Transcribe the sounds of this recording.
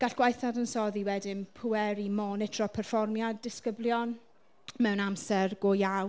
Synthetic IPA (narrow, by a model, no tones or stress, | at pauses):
ɡ̥aɬɡ̥wajθadənsɔðiwɛdɪnpʰuɛɾimɔnɛtʰr̥ɔpʰɛrfɔrmjadɪskəbljɔn | mɛwnamsɛrɡojaw